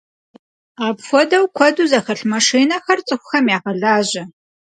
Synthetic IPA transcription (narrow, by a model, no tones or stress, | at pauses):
apfʷɔdɐwkʷʰɔduːzɐxɐɬmɐʂiːnɐxɐrt͡sʼɨxʷʊxɐmjaːʁɐɮaːʑɐ